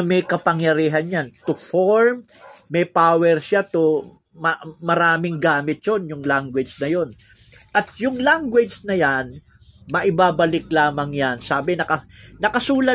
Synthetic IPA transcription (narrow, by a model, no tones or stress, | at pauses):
mɛjkɐpɐŋjɐɾiːɦɐnjant̪ʊfoɹmː | ɛjpaːwɛɾʃat̪o | mɐmɐɾaːmɪŋɡaːmɪt̪̚jonjʊŋlaŋɡwɪd͡ʒnɐjon | ʔɐt̪̚jʊŋlaŋɡwɛd͡ʒnɐjan | mɐʔɪbaːbɐlɪk̚laːmɐŋjansaːbɪnɐkɐnɐkɐsuːlɐ